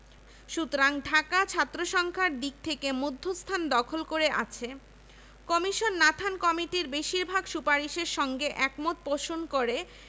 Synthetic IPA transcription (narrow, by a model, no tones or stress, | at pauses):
ʃut̪ɾaŋɖʱakat͡ɕʰat̪ːɾoʃɔŋkʰaɾd̪ik̚t̪ʰekemud̪ʱːost̪ʰand̪ɔkʰolkoɾeʔa̰t͡ɕʰe | kɔmiʃonːat̪ʰankɔmiʈiɾbeʃiɾbʱaɡʃupaɾiʃeɾʃɔŋɡeʔɛkmot̪̚poʃonkoɾe